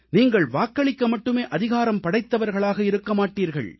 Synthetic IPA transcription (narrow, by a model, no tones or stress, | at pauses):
niːŋɡɐɭʋaːkːɐɭɪkːɐmɐʈːɯmeːʔɐðɪɣaːɾɐmpɐɽɐɪt̪ːɐʋɐɾɣɐɭaːɣɐɪɾɯkːɐmaːʈːiːɾɣɐ̰ɭ